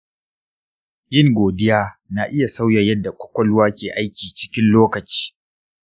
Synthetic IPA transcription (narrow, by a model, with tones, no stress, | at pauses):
jɪ˦ŋɡʷoː˨dɪ˦jaː˦na˨ʔɪ˦ja˨sa˦wjɐ˨jɐ˦dːa˨kʷʼɔ̥˦kʷɐ˨lwaː˦kʲeː˨ʔa˦jkʲiː˨t͡ʃɪ˦kʲɪ˦nloː˦kɐ˨t͡ʃi̥ː˦